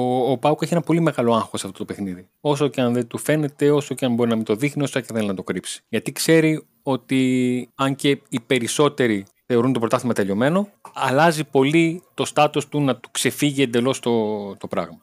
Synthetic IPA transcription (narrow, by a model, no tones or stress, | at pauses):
oːpɐukeçienɐpo̞lime̞ɣɐlo̞ɐŋxosɐft̪ot̪ope̞xniði | o̞soceɐnðent̪ufe̞ne̞t̪e̞o̞so̞ceɐnbo̞ɾinɐmit̪o̞ðixnio̞soceθelinɐt̪o̞kɾipsi̥ʝɐt̪ikse̞ɾi | o̞t̪iɐɲce̞ipe̞ɾiso̞t̪e̞ɾi | θe̞o̞ɾunt̪opɾo̞t̪ɐθimɐt̪eʎo̞me̞no̞ɐlɐzipo̞lit̪o̞st̪ɐt̪ost̪unɐt̪u̥kse̞fiʝie̞nd̪e̞lo̞st̪ot̪o̞pɾɐɣmɐ